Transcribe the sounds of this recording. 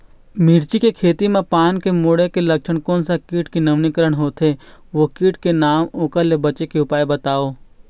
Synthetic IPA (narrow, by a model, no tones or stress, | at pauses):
miːɾt͡ʃikekʰeːt̪imẽpaːnkemoːɽekelɐkʃəɳ̃koːnsakiːʈkenɐʋnikəɾəɽ̃ɦoːt̪ɦeʋokiːʈkenaːmoːkəɾlebɐt͡ʃekeʊpaːebət̪aːoː